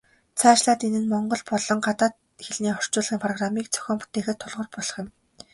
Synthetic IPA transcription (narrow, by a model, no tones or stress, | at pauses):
t͡sʰaːt͡ɕɮaːt̪enɘ̆nmɔɴɢɞ̆ɮpɔɮɞ̆ŋɢat̪aːt̪̚ | xeɮniːχɔr̥t͡ɕʊːɮʁiːŋpʰrɔɣramiːk̚t͡sʰœ̥xʲɔːmpu̥t̪eːxɘ̆t̪ʰːʊɮʁɞ̆rpɔɮɞ̆χjɪ̆m